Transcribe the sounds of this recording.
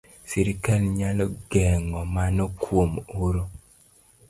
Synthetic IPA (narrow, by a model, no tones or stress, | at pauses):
siɾikalɲalɔɡɛŋɔmanɔkwomoɾo